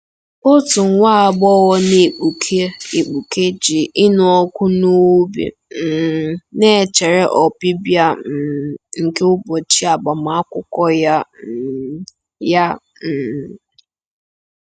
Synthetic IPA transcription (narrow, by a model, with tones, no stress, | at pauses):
ʊ˦tʊ˨ŋ˦ŋʷa˦a˨bɔ˦wɔ˦ne˦˨k͡pu˨kʰe˦i˨k͡pu˨ke˦d͡ʒi˨ʔɪ˦nʊ˨ɔ˦kʷʊ˦no˦bḭ˨ | m̩˨ne˦˨t͡ʃe˨ɾe˦ʔɔ˨bi˦bja˦m̩˨ŋ̩˨ke˦ʊ˦bɔ˨t͡ʃi˦a˨ɡ͡ba˨m˨a˨˦kʷʊ˦kɔ˦ja˦˨ | ja˦ | m̩˨